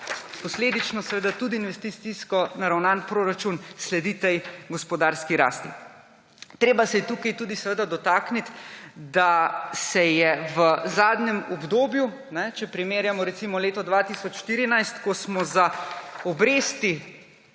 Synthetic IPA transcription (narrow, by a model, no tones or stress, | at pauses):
pɔsleːd̪it͡ʃnɔsɛʋed̪at̪uːd̪iːnʋɛst̪isiskɔnaɾawnaːnpɾoːɾat͡ʃunslɛd̪it̪ɛjɡɔspɔd̪aːɾskiɾa̰ːst̪ḭ | t̪ɾeːbasɛjɛt̪ukajt̪uːd̪isɛʋəːd̪ad̪ɔt̪aknit̪d̪asɛjɛʋəzaːd̪nɛmɔbd̪oːbju | nɛt͡ʃɛpɾimeːɾjamɔɾɛt̪simɔleːt̪ɔd̪ʋat̪isɔt͡ʃʃt̪iːɾinajst̪kɔsmɔzaɔbɾeːst̪i